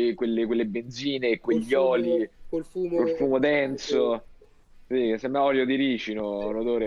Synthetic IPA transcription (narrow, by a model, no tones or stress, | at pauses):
ikwelːekwelːebend̪ziːnekːweʎːɔːli | kelfuːmod̪ɛnt̪so | sikesːemːaɔːljod̪iɾiːt͡ʃinolod̪oːɾe